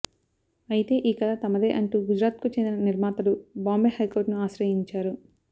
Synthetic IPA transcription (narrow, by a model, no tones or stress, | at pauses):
ɐjit̪e̞ːʔiːkɐd̪at̪ɐmɐd̪eːʔɐɳʈuːɡud͡ʒɾaːt̪̚kut͡ʃend̪inɐniɾmaːt̪ɐlubaːmbeːhɐjkoːɾʈnuaːʃɾɐjiɲt͡ʃaːɾu